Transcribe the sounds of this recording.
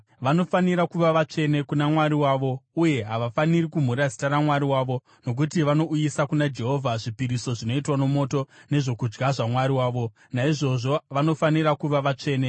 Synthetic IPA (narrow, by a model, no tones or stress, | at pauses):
ʋano̞faniɾakuʋaʋat͡ʂe̞ne̞kunamwaɾiwaːʋo̞uje̞ɦaʋafanirikum̤uɾazi̥taɾamwaɾiwaːʋo̞ | no̞k̬utiʋano̞ʔujisakunad͡ʒe̞ɦo̞vʱaʐipiɾiso̞ʐino̞itwanomo̞to̞ne̞ʐo̞kud͡ʒɡaʐamwaɾiwaːʋo̞ | naiʐo̞ʐo̞ʋano̞faniɾakuʋaʋat͡ʂe̞ːne